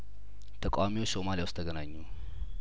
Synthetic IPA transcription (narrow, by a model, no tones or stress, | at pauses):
t̪ʰəkʼa̰wamiwot͡ʃːsomalijawst̪ʰəɡənaɲːu